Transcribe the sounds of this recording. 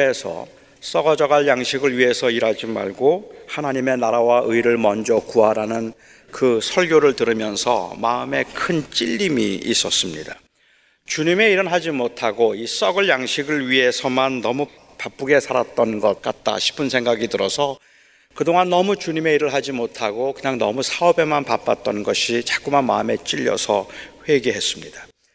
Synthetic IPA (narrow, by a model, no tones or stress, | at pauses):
e̞sʰʌ̰ | s͈ʌɡʌd͡ʑʌɡaɭjaŋɕʰiɡɯɭɥiɦe̞sʰʌiɾad͡ʑima̰ɭɡohanaɲime̞naɾawaʔɯiɾɯɭmʌnd͡ʑʌkuaɾanɯn | kɯsʰʌɭɡjoɾɯɭtɯɾɯmjʌnsʰʌ̰ma̰ɯme̞kʰɯnt͡ɕ͈iʎːimḭis͈ʌs͈ɯmɲḭdḁ | t͡ɕuɲime̞iɾɯɭɦad͡ʑimotʰaɡois͈ʌɡɯɭjaŋɕʰiɡɯɭɥiɦe̞sʰʌmanːʌmu | pap͈uɡe̞sʰaɾat̚t͈ʌnɡʌt̚k͈at̚t͈a̰ɕʰi̥pʰɯnsʰe̞ŋɡaɡitɯɾʌsʰʌ | kɯdoŋanːʌmut͡ɕuɲime̞iɾɯɭɦad͡ʑimotʰaɡokɯɲaŋnʌmusʰaʌbe̞manpap͈at̚t͈ʌnɡʌɕʰit͡ɕak͈umanma̰ɯme̞t͡ɕ͈iʎːʌ̰sʰʌɸwe̞ɡeɦes͈ɯmɲida